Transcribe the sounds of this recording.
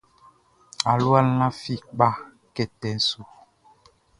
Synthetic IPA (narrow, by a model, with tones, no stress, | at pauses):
a˨lwa˦˨˦lã˦fi˦ɓa˦˨ | kɛ˨tɛ˨n̩˦su˨